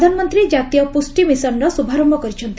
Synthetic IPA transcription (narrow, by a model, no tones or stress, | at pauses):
d̪ʱanɔmɔnt̪ɾid͡ʒat̪ijɔpusʈimisɔnɾɔsubʱaɾɔmbʱɔkɔɾit͡ʃʰɔnt̪i